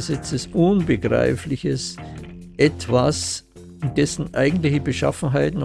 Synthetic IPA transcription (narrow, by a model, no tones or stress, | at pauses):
sɛt͡səsʔʊnbəɡ̥ʁa̰ɪflɪçəs | ʔɛtv̥as | ɪndɛsn̩ʔaɪɡŋ̩tlɪçəbəʃa̰fn̩ɦaɪtn̩